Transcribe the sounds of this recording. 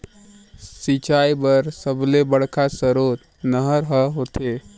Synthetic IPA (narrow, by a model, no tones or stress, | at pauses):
sit͡ʃaibəɾsəblebəɽ̤kʰasəɾot̪ | nəɦəɾɦəɦot̪e